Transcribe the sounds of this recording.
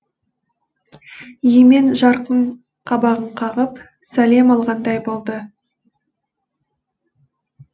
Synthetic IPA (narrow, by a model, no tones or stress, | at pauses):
jeme̞nʒɑɾqəɴ | qʰɑbɑʁəɴqʰɑʁəp | sæle̞mɑlˠʁɑnd̪ɑjbolˠd̪ə